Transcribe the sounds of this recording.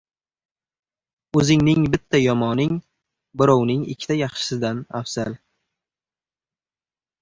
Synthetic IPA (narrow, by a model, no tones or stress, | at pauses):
ɵzɪŋnɪŋbɪt̪ʰːajɒmɒnɪŋ | bɪɾɒwnɪŋɪ̰kʲʰːɪ̥t̪ʰajɑχʃɪ̥sɪd̪anafz̥al